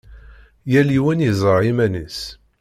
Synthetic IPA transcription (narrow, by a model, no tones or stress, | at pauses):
jæliwænizˤəɾˤimænə̰s